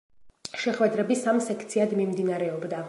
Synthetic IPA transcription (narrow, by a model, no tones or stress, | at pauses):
ʃɛχwɛd̪ɾɛbisamsɛkʰt̪sʰiad̪mimd̪inaɾɛɔbd̪a